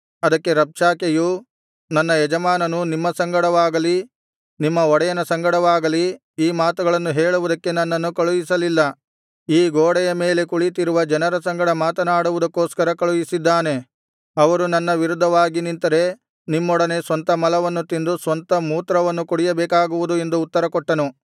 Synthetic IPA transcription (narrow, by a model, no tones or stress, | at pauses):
ɐd̪ɐkːe̞ɾɐpʂaːkeju | nɐnːɐjɛd͡ʒɐmaːnɐnunimːɐsɐŋɡɐɽɐʋaːɡɐli | nimːɐɔɽɐjɐnɐsɐŋɡɐɽɐʋaːɡɐli | iːmaːt̪uɡɐɭɐnːuɦeːɭuʋud̪ɐkːe̞nɐnːɐnːukɐɭujisɐlilːɐ | iːɡoːɽɛjɐme̞ːle̞kuɭit̪iɾuʋɐd͡ʒɐnɐɾɐsɐŋɡɐɽɐmaːt̪ɐnaːɽuʋud̪ɐkːoːskɐɾɐkɐɭujisid̪ːaːne̞ | ɐʋɐɾunɐnːɐʋiɾud̪ʱːɐʋaːɡinint̪ɐɾe̞ | nimːɔɽɐne̞sʋɐnt̪ɐmɐlɐʋɐnːut̪ind̪usʋɐnt̪ɐmuːt̪ɾɐʋɐnːukuɽijɐbɛːkaːɡuʋud̪ue̞nd̪uːt̪ːɐɾɐkɔʈːɐnu